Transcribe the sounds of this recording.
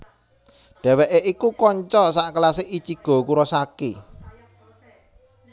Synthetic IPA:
ɖ̥ɛ̤wɛʔeʔikukɔɲt͡ʃɔsaʔkəlasɪʔit͡ʃiɡ̥ɔ̤kuɾɔsakḭ

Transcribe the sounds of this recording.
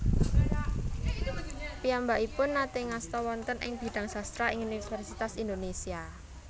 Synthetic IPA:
piambaʔipʊnːat̪eŋast̪ɔwɔnt̪ənʔɪ̰ŋb̥i̤ɖ̥a̤ŋsast̪ɾaɪŋunifɛrsit̪asind̪onesia

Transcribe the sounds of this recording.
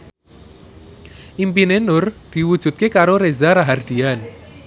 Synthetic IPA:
ʔimpinenʊrd̪̥i̤wud̥ʒ̥ṳt̪̚kekaɾoɾezaɾaɦard̪̥i̤an

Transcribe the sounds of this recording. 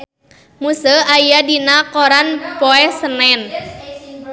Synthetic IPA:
musəajadinakoɾanpɔɛsənɛn

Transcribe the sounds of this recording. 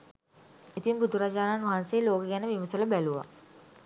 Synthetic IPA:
et̪imbud̪ʱuɾad͡ʒaːnaːnʋaɦanseːloːkəɡɛnəʋiʋəsələbæluʋa̰

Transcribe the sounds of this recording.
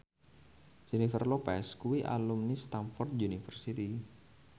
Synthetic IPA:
d͡ʒ̥inifərlopɛskuwiʔa̰lumnist̪amfɔrd̪̚junifərsit̪i

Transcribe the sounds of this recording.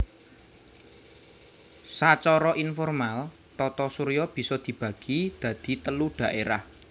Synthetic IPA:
sat͡ʃɔɾɔʔinfɔrmal | t̪ɔt̪ɔsuɾijɔb̥i̤sɔd̪̥i̤b̥ä̤ɡ̥id̪̥ä̤d̪̥i̤t̪əluɖ̥a̤ʔeɾah

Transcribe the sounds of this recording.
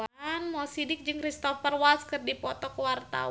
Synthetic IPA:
nmɔsidɪk̚d͡ʒɨŋkrist̪ɔfərwalskɨrdipɔt̪ɔkəwart̪a̰

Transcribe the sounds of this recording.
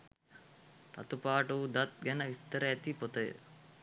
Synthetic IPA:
t̪ɐ̰t̪upaːʈud̪ɐt̪̚ɡɛnɐʋist̪ɐɾɐɛt̪ipot̪ɐj̰

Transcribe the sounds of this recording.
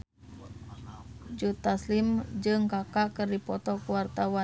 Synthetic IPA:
d͡ʒut̪aslimd͡ʒɨŋkakaʔkɨrdipɔt̪ɔkuwart̪awa

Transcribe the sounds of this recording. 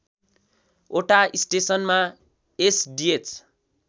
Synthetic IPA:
oʈaisʈesʌnma | esɖiet͡s

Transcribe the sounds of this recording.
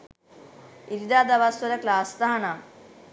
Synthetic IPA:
iɾid̪aːd̪ɐʋaːsɐlɐklaːst̪aɦɐɳam

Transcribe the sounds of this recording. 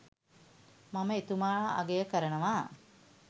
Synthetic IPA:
maməet̪umaːa̰ɡejəkəɾənəʋaː

